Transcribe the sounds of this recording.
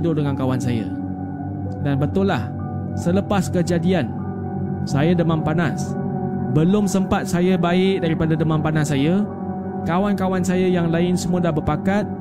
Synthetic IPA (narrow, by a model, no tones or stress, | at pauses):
dʊʔdəŋankawansaja̰ | danbət̪ʊlːah | sələpaskəd͡ʒadian | sajadəmãnpanasbəlʊmsəmpat̪̚sajabaɪʔ̚daɾipadadəmãmpanasːaja | kawankawansajajaŋlaɪnsəmũadahbəpakat̪̚